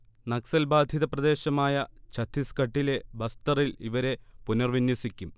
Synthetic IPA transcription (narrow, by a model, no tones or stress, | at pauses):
nɐksɐlbaːd̪ʱjiðɐprɐd̪e̞ːɕɐmaːjɐt͡ɕʰɐt̪ʰːiskɐʈːile̞bɐst̪ɐriliʋɐɾe̞punɐrʋinjɐsikʲːum